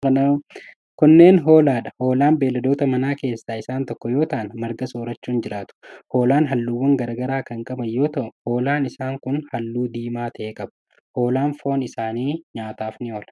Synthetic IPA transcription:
kɐnɐ | kʊnːe̞ːnɦo̞ːlaːᶑɐho̞ːlaːnbeːlːɐd̪oːt̪ɐmɐnaːke̞ːsːaːɪsaːnt̪ɔkːɔjo̞ːt̪aɐnmɐɾɡɐsoːɾɐt͡ʃːuːnd͡ʒɪɾaːt̪ʊ̥ho̞ːlaːnɦɐlːuːwːɐŋɡɐɾaːɡɐɾaːkɐŋkʼɐbɐjːo̞ːt̪ɐʔʊho̞ːlaːnɪsaːŋkʊnhɐlːuːd̪iːmaːt̪ʰɐʔeːkʼɐbɐʊ̥ | ho̞ːlaːnfo̞ːnɪsaːniːɲaːt̪aːfnɪoːlɐ

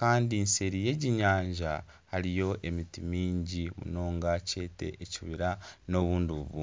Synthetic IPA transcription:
kaːndinse̞ɾije̞ɟiɲaːɲʒa | haɾijo̞ʔe̞mitimiːɲɟimṵno̞ːŋɡace̞ːte̞̰ʔːciβiɾano̞βuːndiuβṵː

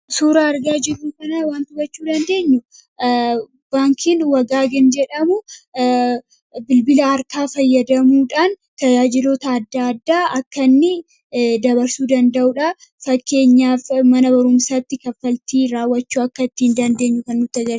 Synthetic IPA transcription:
suːɾaɐɾɡaːd͡ʒɪrːuːkɐnɐwaːnt̪ʊbɐt͡ʃːuːd̪ɐnd̪e̞ːɲːʊ | baːŋkʰɪnwɐɡaːɡɛnd͡ʒɛᶑɐmʊ | bɪlbɪlɐːɾk̪aːfɐjːɐd̪ɐmuːᶑaːn | t̪ɐd͡ʒaːd͡ʒɪlo̞ːt̪ɐːd̪ːaːɐd̪ːaːʔɐkːɐnːɪ | d̪ɐbɐɾsuːd̪ɐnd̪ɐʔuᶑa | fɐkːe̞ːɲːaːfmɐnɐbɐɾʊmsaːt̪ːɪkɐfːɐlt̪iːɾaːwːɐt͡ʃːuːɐkːɐɪt̪ːɪɪnd̪ɐnd̪e̞ːɲːʊkɐnːʊt̪ːɐd͡ʒɐɾ

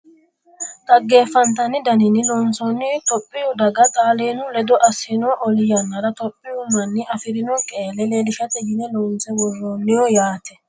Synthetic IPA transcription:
t̪ʼɐɡːe̞ːfːɐnt̪̬ɐnɪd̪ɐnɪnːɪloːnsoːnːɪt̪ɔpʼːɪjʊd̪ɐɡɐt̪ʼaːleːnʊlɛd̪ɔʔɐsːɪnɔːʔɔlɪjɐnːɐɾɐt̪ɔpʼːɪjʊmɐnːɪʔɐfɪɾɪnɔkʼeːlɛleːlɪʃɐt̪ɛjɪnɛloːnsɛwɔrːoːnːɪjɔjaːt̪ɛ̥

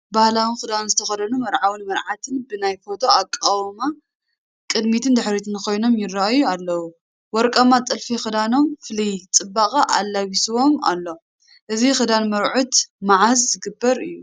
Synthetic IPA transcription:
bahlawɨnxɨd̪anzɨt̪ʰɐxɐd̪ɐnumɐɾʕawɨnmɐɾʕat̪ʰɨnbɨnajfo̞t̪ʰo̞akʼːawma | kʼɨd̪mit̪ʰɨnd̪ɨħɾit̪ʰɨnkʰo̞jno̞mjɪrːaʔajualːɐwu | wɔɾkʼɐmat͡s̪ʼɨlfixɨd̪ano̞mfɨlijt͡sʼɨbːaχʼɐʔa̰lːaβisɨwo̞ma̰lːo̞ | ʔɨzixɨd̪anmɐɾʕut̪maʕazzɨɡɨbːɐɾɨ̰jːu

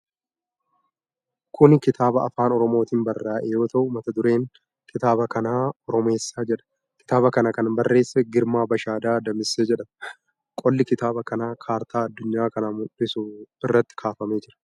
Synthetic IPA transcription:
kʰʊnkɪt̪ʰaːbɐɐ̰faːnɔɾɔmo̞ːt̪iːnbɐrːaːʔɛjo̞ːt̪ɐʔʊmɐt̪ɐd̪ʊɾe̞ːŋ | kʰɪt̪aːbɐkɐnaːɔɾɔme̞ːsːaːd͡ʒɛᶑɐ̥ | kɪ̥t̪aːβɐkɐnɐkɐnbɐrːe̞ːsːɛɡɪɾmaːbɐʃaːd̪aːd̪ɐmɪsːeːd͡ʒɛᶑɐm | kʼɔlːɪkɪt̪aːbɐkɐnaːkʰaːɾt̪ʰaːɐd̪ːʊɲːaːkɐnaːmʊᶑɪsuɪrːɐt̪ːɪ̥kʰaːfɐme̞ːd͡ʒɪɾɐ̥

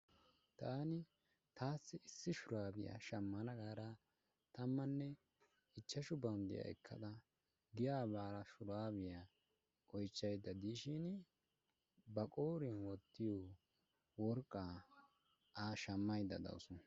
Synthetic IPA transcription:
t̪aːnɪ | t̪aːsːɪɪsːɪʃʊɾaːbɪjɐ̰ʃɐmːɐnɐɡaːɾɐ | t̪ɐmːɐnːɛ | ɪt͡ʃːɐʃʊbɐwnd̪ɪ̰ja̰ʔɛ̰kʰːɐ̰d̪ɐ | ɡɪjaːβaːɾɐʃʊɾaːbɪja | ʔɔjt͡ʃːɐjd̪ːɐd̪iːʃɪn | bɐkʼoːɾɪnwɔt̪ːɪjɔ | wɔɾkʼːa | aːʃɐmːɐjd̪ɐ̰d̪ɐ̰wʊsɔn

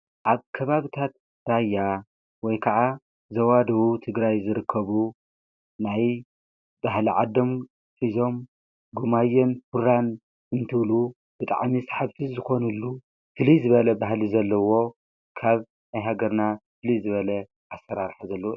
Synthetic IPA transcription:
ʔaβkʰɐβaβit̪ʰat̪̚ | ɾajːa | wɔjkʰɐʔa | zɐwad̪ɐwut̪ʰɨɡɾajzɨɾɨkʰːɐβu | naj | baɦliʕad̪om | fizo̞m | ɡumajːɛnfuɾan | ɨnt̪ʰɨβlu | b̥ɨt̪ʼa̰ʕmisḁħaβt̪ʰɨzɨxo̞nɨlːu | fɨlizɨβɐlɐbaɦlizɐlːɐwo̞ | kʰaβ | najɦaɡɐɾnafɨlizɨβɐlɐ | ʔasːɐɾaɾħazɐlːɐw

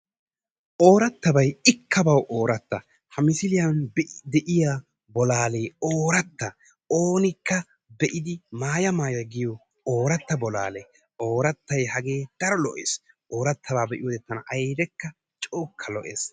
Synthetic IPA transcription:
ʔoːɾɐt̪ːɐbɐjɪkʰːɐbɐwʔoːɾɐt̪ːɐ | hɐmɪsɪlɪjɐnd̪ɛʔɪja | bɔlaːleːoːɾɐt̪ːɐ | oːnɪkːɐ | bɛʔɪd̪ɪmaːjɐmaːjɐɡɪjɔ | oːɾɐt̪ːɐbɔla̰ːle | oːɾɐt̪ːɐjhɐɡe̞ːd̪̥ɐɾɔlɔʔḛːs | ʔo̞ːɾɐt̪ʰːɐbaːbɛʔɪjoːd̪ɛt̪ːɐnɐʔɐjd̪ɛkːɐ | t͡ʃʼoːkʰːɐlɔ̰ʔḛːs

